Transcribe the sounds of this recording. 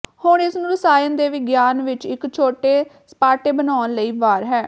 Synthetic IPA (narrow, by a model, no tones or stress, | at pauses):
hʊɳɪsnũːɾəsaːjənd̪eːʋɪɡjaːnʋɪt͡ʃɪkt͡ʃʰoːʈeːspaːʈeːbənaːnləiːʋaːɾɦɛː